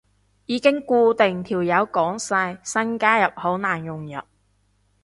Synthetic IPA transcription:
jiː˨˧kɪ˥ŋkuː˧t̪e˨ŋt̪ʰiː˨˩wjɐ˨˥wkɔː˨˥ŋsa˧jsɐ˥nkaː˥jɐ˨p̚ho˨˥wnaː˨˩njʊ˨˩ŋjɐ̰˨p̚

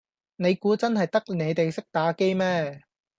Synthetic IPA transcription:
ne˨˧jkuː˨˥t͡sɐ˥nhɐ˨jt̪ɐ˥k̚ne˨˧jt̪e˨jsɪ˥k̚t̪aː˨˥ke˥jmɛː˥

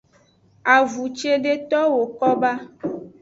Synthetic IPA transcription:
a˨vu˨t͡ʃe˦ɖe˦t̪ɔ˦wo˨kɔ˦ba˦

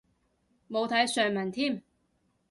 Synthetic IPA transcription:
mo˨˧wt̪ʰɐ˨˥jsœː˨ŋmɐ˨˩nt̪ʰiː˥˩˨m

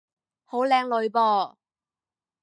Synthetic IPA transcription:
ho˨˥wlɛː˨˧ŋlɵ˨˧ɥpɔː˧

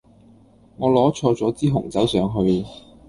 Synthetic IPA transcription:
ŋɔː˨˧lɔː˨˥t͡ʃʰɔː˧t͡sɔː˨˥t͡siː˥ɦʊ˨˩ŋt͡sɐ˨˥wsœː˨˧ŋɦɵ˧ɥ

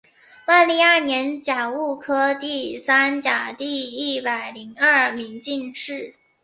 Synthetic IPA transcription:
wa˥˩nli˥˧ja˥˩njɛ˧˥nt͡ɕja˨˩u˥˩kʰɤ˥t̪i˥˩sa˥nt͡ɕja˨˩t̪i˥˧i˥˩pa˨˩ɪli˧˥ŋɐ˥˩mi˧˥ŋt͡ɕi˥˧nʈ͡ʂɻ̩˥˩

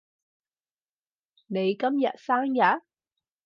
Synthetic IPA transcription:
ne˨˧jkɐ˥mjɐ˨t̚saː˥ŋjɐ˨˥

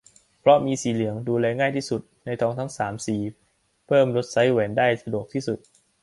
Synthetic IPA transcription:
pʰɾɔ˦˥miː˧siː˨˩lɯ˩˦əŋduː˧lɛː˧ŋaː˥˩jt̪ʰiː˥˩su˨˩t̪̚na˧jt̪ʰɔː˧ŋt̪ʰa˦˥ŋsaː˩˦msiː˨˩ | pʰɤː˥˩mɾo˦˥t̪̚sa˦˥jwɛː˩˦ndaː˥˩jsa˧du˨˩ək̚t̪ʰiː˥˩su˨˩t̪̚

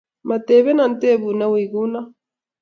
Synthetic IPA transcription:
ma˨te˨βɛ˦na˨n˦te˦˨βu˨na˦wi˨ɣu˦na˦

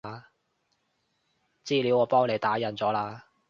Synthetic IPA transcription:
t͡siː˥li˨˥wɔː˨˧pɔː˥ŋle˨˧jt̪aː˨˥jɐ˨˩nt͡sɔː˨˥laː˧

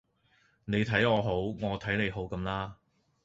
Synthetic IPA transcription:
ne˨˧jt̪ʰɐ˨˥jɔː˨˧ɦo˨˥wŋɔː˨˧t̪ʰɐ˨˥jne˨˧jɦo˨˥wkɐ˨˥mlaː˥

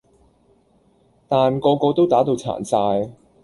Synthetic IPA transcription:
t̪aː˨nkɔː˧kɔː˧t̪o˥wt̪aː˨˥t̪o˨˧wt͡sʰa̰ː˨˩nsaː˧j

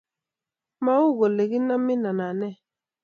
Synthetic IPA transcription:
ma˨˦u˦˨ɣo˨le˨ɣi˦na˦mːi˦na˨na˨nɛ˦˨

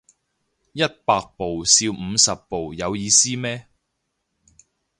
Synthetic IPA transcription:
jɐ˥t̚paː˧k̚po˨wsiː˧wm̩˨˧sɐ˨pːo˨wjɐ˨˧wjiː˨˧siː˥mɛː˥

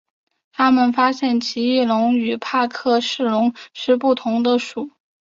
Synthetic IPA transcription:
t̪ʰa˥mə˨nfa˥ɕjɛ˥˩nt͡ɕʰi˧˥i˥˩lʊ˧˥ŋy˨˩pʰa˥˧kʰɤ˥˧ʂɻ̩˥˩lʊ˧˥ŋʂɻ̩˥˧pu˥˩t̪ʰʊ˧˥ŋd̪ə˧ʂu˨˩˦

